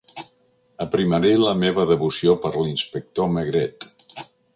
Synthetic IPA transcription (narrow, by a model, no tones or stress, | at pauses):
əpɾiməɾeləmeβəðəβusiopəɾlinspək̚t̪oməɣɾɛt̪